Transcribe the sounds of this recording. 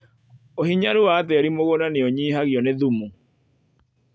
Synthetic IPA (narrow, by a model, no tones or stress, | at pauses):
ohiɲaɾuwatɛɾimoɣonaneoɲiːɦaɣjɔneðumu